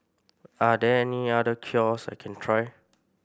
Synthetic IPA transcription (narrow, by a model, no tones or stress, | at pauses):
adɛɛniadəkʰiɔsa̰jkʰɛ̃ntʰɹaj